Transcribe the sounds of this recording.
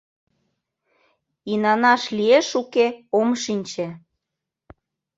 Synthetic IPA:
inɑnɑʃlieʃukeomʃinʲt͡ɕĕ

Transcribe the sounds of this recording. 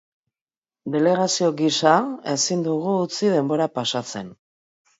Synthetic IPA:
d̪e̞le̞ɣ̞asio̞ɣisae̞sind̪uɣuːt͡siðe̞mbo̞ɾapasat͡se̞n

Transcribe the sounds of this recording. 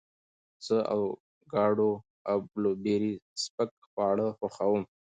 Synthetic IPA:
zəʔa̰w | ɡɑːɖo | awblobeɾispək̚ | xwɑːɽəxʊxawum

